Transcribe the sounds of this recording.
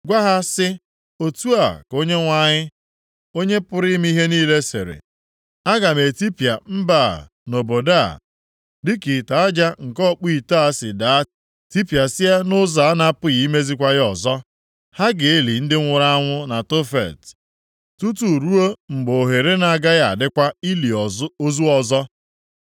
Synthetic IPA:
ɡʷa˦ɦa˦sɪ˦ | o˨tu˦a˨ko˦ɲe˦ŋʷa˦ɲɪ˦ | o˦ɲe˦pʊ˦ɾi˦m˦i˦ɦe˦niː˦le˦sḛ˨ɾḛ˨ | a˦ɡa˨me˨ti˦pi˨a˨m̩˦ba̰˨ | no˨bo˨da˦˨ | dɪ˦ki˨ta˨a˦d͡ʒa˦ŋ̩˨kɔ˦˨k͡pi˦i˨ta˦sɪ˨da˨˦ | ti˦pja˨sɪ˦a˦nʊ˦za˨˦na˦pʊ˦ɣi˨i˦me˦zi˦kʷa˦ɣɪ˦ɔ˨zɔ˦ | ha˦ɡɪ˨e˦li˨n̩˦dɪ˦ŋʷʊ˨ɾa˦a˦ŋʷʊ˦na˨to˦fḛ˨t | tu˦tu˨ɾu˦o˦ŋ͡m̩˨ɡ͡bo˨ɦe˨ɾe˦na˨˦˨ɡa˦ja˨a̰˨dɪ˦kʷa˦i˦li˨o˦zu˦ɔ˨zɔ˦

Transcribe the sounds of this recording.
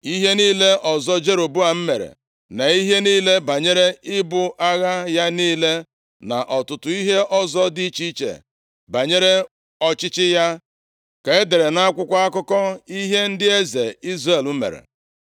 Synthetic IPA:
i˦ɦe˦niː˦le˦ʔɔ˨zɔ˦d͡ʒe˦ɾo˨bu˦a˨m̩˦me˨ɾḛ˨ | na˨i˦ɦe˦niː˦le˦ba˨ɲe˦ɾe˦ɪ˦bʊ˦ʔa˦ɣa˦ja˦niː˦le˦ | na̰˨ʔɔ˨tʊ˨tʊ˨i˦ɦe˦ʔɔ˦zɔ˦di˦t͡ʃi˦t͡ʃḛ˨ | ba˨ɲe˦ɾe˦ | ɔ˨t͡ʃɪ˦t͡ʃɪ˦ja˦ | ka˨e˦de˨ɾe˨na˦a˦kʷʊ˦kʷa˦a˦kʊ˦kɔ˦i˦ɦe˦n̩˦dɪ˦e˦ze˨i˦zre˨lu˦mḛ˨ɾḛ˨

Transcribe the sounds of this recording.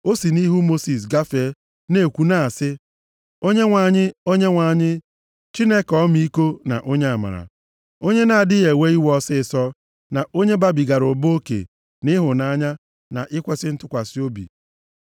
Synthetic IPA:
o˦si˨ni˦ɦu˦mo˦si˨s̬ɡa˦fe˨˦ | ne˨kʷu˨na˨a˨sɪ˦ | o˦ɲe˦ŋʷa˨ɲɪ˦o˦ɲe˦ŋʷa˨ɲɪ˦ | t͡ʃi˦ne˦kɔ˦mi˦i˦ko˦na̰˨ʔo˦ɲe˦a˨ma̰˨ɾa̰˨ | o˦ɲe˦na˨a˨dɪ˦je˨we˦i˦wɔ˦sɪ˦˨sɔ˦ | na˨ʔo˦ɲe˦ba˦bi˨ɡa˨ɾʊ˨bo˦kḛ˨ | nɪ˦ɦʊ˨na˦ɲa˦ | na̰˨ʔɪ˦kʷe˦sɪ˦n̩˦tʊ˦kʷa˨si˦o˦bḭ˨

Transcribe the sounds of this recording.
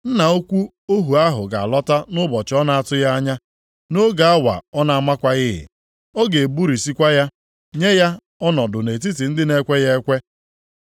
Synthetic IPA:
n̩˦na˨o˦kʷu˦ | o˦ɦu˨a˦ɦʊ˨ɡa̰˨a˨lɔ˦ta˦nʊ˦bɔ˨t͡ʃɪ˨˦ɔ˦na˨a˦˨tʊ˦ja˦a˦ɲa˦ | no˦ɡa˨a˦wa̰˨ɔ˦na˨a˦ma˦kʷa˦ɣɪ˦ɦɪ̰˨ | ɔ˦ɡe˨bu˦ɾi˨si˦kʷa˦ja˦ | ɲe˦ja˦ | ɔ˦nɔ˨dʊ˨ne˨t̬i˦t̬i˨n̩˦dɪ˦ne˦kʷe˦je˦e˦kʷe˦

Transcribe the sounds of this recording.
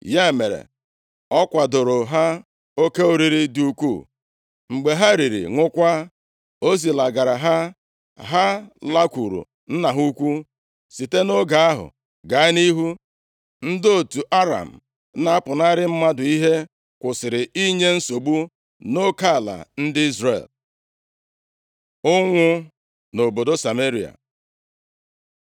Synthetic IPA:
ja˦e˨me˨ɾḛ˨ | ɔ˦kʷa˨dʊ˨ɾʊ˨ɦa˦ | o˦ke˦o˦ɾi˨ɾi˦di˨u˦kʷṵ˦˨ | ŋ͡m̩˨ɡ͡be˨ɦa˦ɾi˨ɾḭ˨ŋʷʊ˦kʷa˦ | o˦zi˨la˨ɡa˨ɾa˨ɦa˦ | ɦa˦la˦kʷu˨ɾṵ˨ | n̩˦na˨ɦu˦kʷu˦ | si˨te˦no˦ɡa˨a˦ɦʊ̰˨ | ɡa˨˦ɪ˦ni˦ɦu˦ | n̩˦do˦tu˨ʔa˦ɾa̰˨m̩˨ | na˦a˦pʊ˨na˦ɾɪ˦m̩˦ma˦dʊ˨i˦ɦe˦ | kʷʊ˨sɪ˨ɾɪ˨i˦ɲe˦n̩˦so˨ɡ͡bu˦ | no˦ka˦˨la̰˨n̩˦dɪ˦i˦zrḛ˨l | ʊ˦ŋʷʊ˦ | no˨bo˨do˦sa˨me˦ɾi˨a̰˨

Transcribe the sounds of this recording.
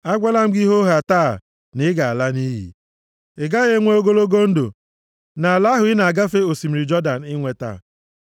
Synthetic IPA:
a˦ɡʷa˦la˦m̩˦ɡi˦ɦo˦ɦa˨taː˦˨ | nɪ˦ɡa˨a˨la˦ni˦ɦḭ˨ | ɪ˨ɡa˦ɣe˦ŋʷe˦o˦ɡo˦lo˦ɡo˦n̩˦do̰˨ | na˨a˨la˦ɦʊ˨ɪ˦na˨a˨ɡa˦fe˦o˨si˨m̩˨ɾi˨d͡ʒɔ˦da˨n˨ɪ˦ŋʷe˨ta̰ː˦˨

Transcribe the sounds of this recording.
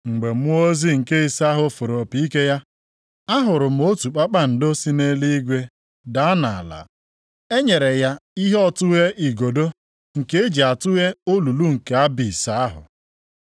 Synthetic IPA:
ŋ͡m̩˨ɡ͡be˨m̩˦ʊ˦o˦zi˦ŋ̩˨ke˦i˨sa˦ɦʊ˨fʊ˨ɾo˨pi˦i˦ke˦ja˦ | a˦ɦʊ˨ɾʊ˨m̩˨˦o˦tu˨k͡pa˦k͡pa˦n̩˨do˦si˦ne˦li˦i˦ɡʷe˦ | da˨˦na˨a̰˨la̰˨ | e˦ɲe˨ɾe˨ja˦i˦ɦɔ˦tʊ˦ɣe˦ʔi˨ɡo˨do˦ | ŋ̩˨ke˦e˦d͡ʒi˨a˨tʊ˦ɣe˦o˦lu˨lu˦ŋ̩˨ke˨a˦bi˨sa˦a˦ɦʊ̰˨

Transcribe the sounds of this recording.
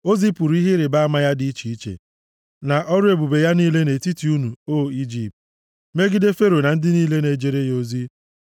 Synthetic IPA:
o˦zi˦pu˨ɾi˦ɦɪ˦ɾɪ˨ba˦a˦ma˦ja˦dɪ˨˦i˦t͡ʃi˨i˦t͡ʃḛ˨ | na˨ʔɔ˦ɾʊ˦e˨bu˨be˨ja˦niː˦le˦ne˨ti˦ti˨u˦nu˨o˦i˦d͡ʒi˨p̚t | me˦ɡi˦de˦fe˦ɾo˨na˨n̩˦dɪ˦niː˦le˦ne˨d͡ʒe˨ɾe˦jo˦zi˦

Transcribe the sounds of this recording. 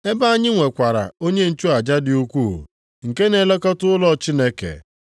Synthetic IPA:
e˦ba˦a˦ɲɪ˦ŋʷe˨kʷa˨ɾa̰˨o˦ɲe˦n̩˨t͡ʃu˦a˨d͡ʒa˦dɪ˨u˦kʷṵ˦˨ | ŋ̩˨ke˦ne˨le˦kɔ˦tʊ˦ʊ˦lɔ˦t͡ʃi˦ne˦kḛ˨

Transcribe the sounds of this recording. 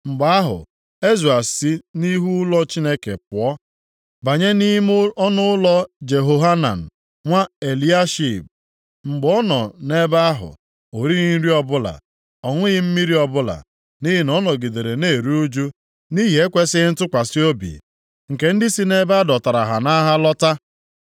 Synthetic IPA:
ŋ͡m̩˨ɡ͡ba˦a˦ɦʊ̰˨ | e˦zu˨a˨si˦ni˦ɦu˦lɔ˦t͡ʃi˦ne˦ke˨pʊ˨ɔ˦ | ba˨ɲe˦ni˦m˦ɔ˦nʊ˦ʊ˦lɔ˦d͡ʒe˨ɦo˦ɦa˦na̰˨n̩˨ | ŋʷa˦e˨li˦a˦ʃi˨b̚ | ŋ͡m̩˨ɡ͡bɔ˦nɔ˨ne˦ba˦a˦ɦʊ̰˨ | o˨ɾi˦ɣi˦n̩˦ɾi˦ɔ˦bʊ˦la̰˨ | ɔ˨ŋʷʊ˦ɣɪ˦m̩˦mi˦ɾi˦ɔ˦bʊ˦la̰˨ | ni˦ɦi˨nɔ˦nɔ˨ɡi˨de˨ɾe˨ne˦˨ɾu˦u˦d͡ʒu˦ | ni˦ɦi˨e˦kʷe˦sɪ˦n̩˦tʊ˦kʷa˨si˦o˦bḭ˨ | ŋ̩˨ke˨n̩˦dɪ˦si˦ne˦ba˦dɔ˨ta˨ɾa˨ɦa˨na˦ɦa˦lɔ˦ta˦

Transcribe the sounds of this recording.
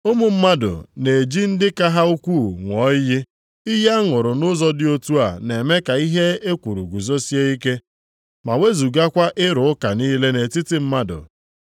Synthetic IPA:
ʊ˦mʊ˨m̩˦ma˦dʊ̰˨ne˨d͡ʒi˦n̩˦dɪ˦ka˦ɦa˦u˦kʷuː˦˨ŋʷɔ˨˦jɪ˦ | i˦ja˦ŋʊ˨ɾʊ˨nʊ˦zɔ˦dɪ˦o˦tu˦a˨ne˨me˦ka˨i˦ɦe˦e˦kʷu˨ɾṵ˨ɡu˨zo˦si˦e˦i˦ke˦ | ma˨we˦zu˨ɡa˦kʷa˦ʔɪ˦ɾʊ˨ʊ˦ka˨niː˦le˦ne˨ti˦tɪ˦m̩˦ma˦dʊ̰˨

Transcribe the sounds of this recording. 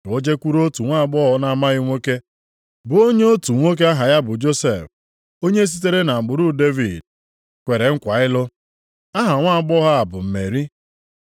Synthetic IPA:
o˦d͡ʒe˦kʷu˦ɾo˦tu˨ŋʷa˦a˨ɡ͡bɔ˦ɦɔ˦na˦ma˦ɣɪ˦ŋʷe˦ke˦ | bʊ˨o˦ɲe˦o˦tu˨ŋʷe˦k̬e˦a˦ɦa˨ja˦bʊ˨d͡ʒo˦se˨f | o˦ɲe˦s̬i˦t̬e˦ɾe˦na˨ɡ͡bʊ˨ɾu˦de˦vi˨d | kʷe˨ɾe˨ŋ̩˦kʷa˨ɪ˦lʊ˦ | a˦ɦa˨ŋʷa˦˨ɡ͡bɔ˦ɦa˦a˨bʊ˨m̩˨me˨ɾi˦

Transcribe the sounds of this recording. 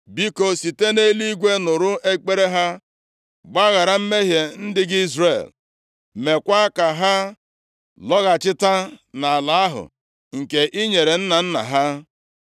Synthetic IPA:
bi˦ko˦si˨te˦ne˦li˦ɡʷe˦nʊ˨ɾʊ˦ʔe˦k͡pe˦ɾe˦ɦa˦ | ɡ͡ba˦ɣa˨ɾa˨m̩˦me˦ɦje˨n̩˦dɪ˦ɡɪ˦i˦zrḛ˨l | me˨kʷa˦ka˨ɦa˦ | lɔ˦ɣa˨t͡ʃɪ˦ta˦na˨a˨la˨a˦ɦʊ̰˨ | ŋ̩˨ke˨ʔi˦ɲe˨ɾe˨n̩˦na˨n̩˦na̰˨ɦa˦

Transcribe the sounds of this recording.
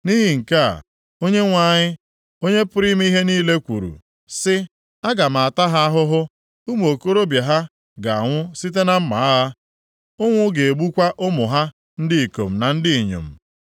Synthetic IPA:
ni˦ɦi˨ŋ̩˨ka˦a̰˨ | o˦ɲe˦ŋʷa˨ɲɪ˦ | o˦ɲe˦pʊ˦ɾi˦m˦i˦ɦe˦niː˦le˦kʷṵ˨ɾṵ˨ | sɪ˦ | a˦ɡa˨ma˨a˨ta˦ɦa˦a˦ɦʊ˦ɦʊ˦ | u˦m˨o˨ko˦ɾo˦bja˨ɦa˦ | ɡa˨a˨ŋʷʊ˦si˦t̬e˦na˦m̩˦ma̰˨a˦la˦ | ʊ˦ŋʷʊ˦ɡe˨e˨ɡ͡bu˦kʷa˦ʔʊ˦mʊ˨ɦa˦ | n̩˦dɪ˦i˨ko̰˨m̩˨na˨n̩˦dɪ˦i˨ɲo̰˨m̩˨

